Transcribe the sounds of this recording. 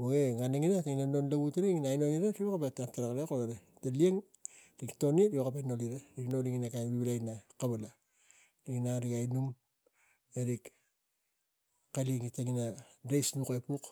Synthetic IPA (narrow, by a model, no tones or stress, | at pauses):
woɡeŋaniŋinataŋinanonlaβutɾiŋinajnoŋiɾatiokapatataɾakalekoaɾe | talieŋ | ɾiktoniɾiokapenoliɾaɾiknoliŋinakanβiβilajnakaβala | ɾiŋinaɾikajnum | eɾik | kaliŋitaŋinaɾejsnukepuk